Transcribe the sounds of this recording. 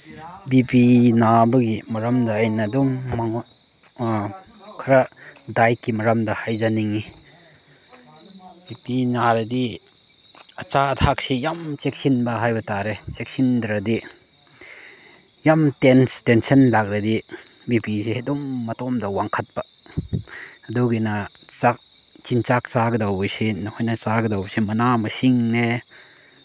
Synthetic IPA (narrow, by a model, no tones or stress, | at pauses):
bipinabɐɡimɐɾamdɐːjnɐdɔmːaŋ | kʰɐɾadajkːimɐɾamdɐhajzaniŋi | bipinaɾedi | ɐt͡ʃat̪ʰak̚sijamt͡ʃek̚sinbɐɦajbɐtaɾet͡ʃek̚sindɾɐdi | jamtenstensɐnlak̚ɾadi | bipisihedɔmːɐtɔmdawaŋkʰɐt̚ba | ɐdɔɡina | t͡ʃak̚ | t͡ʃint͡ʃak̚t͡saɡɐdawbɔjsinɐhɔjnat͡ʃaɡədawbsimɐnamɐsiŋne